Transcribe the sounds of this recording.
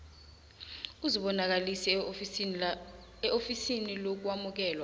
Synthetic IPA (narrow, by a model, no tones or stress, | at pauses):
k̬uziɓɔnak̬alisi | ɛʔofisinilok̬wamuk̬ɛːlwa